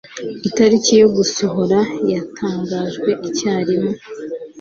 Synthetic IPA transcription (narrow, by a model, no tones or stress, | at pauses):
itaɾicijo̞ɡuso̞ɦo̞ɾajatʰaːŋɡaːʒɡwe̞ʔicaːɾimo